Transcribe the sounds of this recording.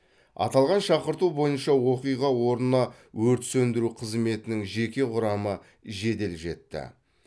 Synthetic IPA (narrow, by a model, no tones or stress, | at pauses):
ɑ̰t̪ɑlˠʁɑnʃɑqəɾt̪ubo̞jənʃɑwo̞qijʁɑwo̞ɾnənɑ | wɵɾt̪sɵnd̪ɪɾuqʰəzme̞t̪ɪnɪŋʒe̞kʲe̞ʁʊɾɑmə | ʒe̞d̪e̞lʒe̞̰t̪ːɪ̰